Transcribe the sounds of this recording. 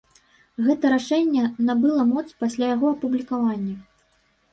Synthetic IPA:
ɣɛt̪ɐɾaʂɛnʲːɛnabɨlˠɐmɔt̪spasʲlʲajaɣɔɐpublʲikavanʲːɐ

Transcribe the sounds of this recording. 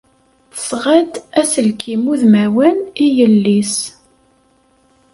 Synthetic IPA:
θə̥sʁəd̪æsəlkʰimuðmæwənijəlːis

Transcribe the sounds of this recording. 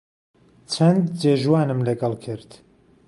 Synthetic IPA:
t͡ʃʰɐnd̪d͡ʒeːʒwaːnɨmlɐɡɐlˠkʰɨɾt̪

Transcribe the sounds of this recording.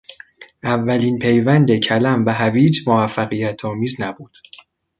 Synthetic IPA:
ʔævːæliːnpʰe̞jvænd̪e̞cʰælæmvæɦæbiːd͡ʒmovæfːæɣijæt̪ʰɒːmiːznæbuːd̪̥

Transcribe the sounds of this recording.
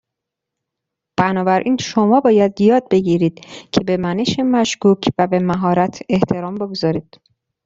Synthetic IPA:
b̥ænɒːbæɾʔiːnʃo̞mɒːbɒːjæd̪jɒːd̪̚be̞ɟiːɾiːd̪̥cʰebe̞mæne̞ʃemæʃkuːcʰvæbe̞mæɦɒːɾæt̪ʰe̞ht̪ʰe̞ɾɒːmboɡozɒːɾiːd̪̥̚

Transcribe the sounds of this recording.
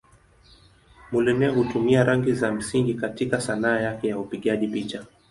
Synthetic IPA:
mulɛnɛhutumiaɾaŋɡizam̩siŋɡikatikasanaːjakɛjaupiɠaʄipit͡ʃa

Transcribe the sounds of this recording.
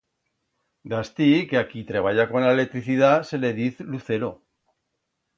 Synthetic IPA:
d̪ast̪ikeakit̪ɾeβ̞aʝako̞nlaele̞k̚t̪ɾiθiðase̞le̞ðiθluθe̞ɾo

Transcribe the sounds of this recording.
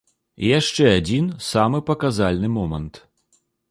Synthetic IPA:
jaʂt͡ʂɛad͡zʲinsamɨpɐkazalʲnɨmɔmɐnt̪

